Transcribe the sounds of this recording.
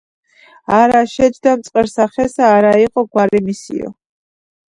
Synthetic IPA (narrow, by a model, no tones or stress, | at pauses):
aɾaʃɛd͡ʒd̪amt̪sʼqʼɛɾsaχɛsaːɾaiqʼɔɡwaɾimisḭɔ̰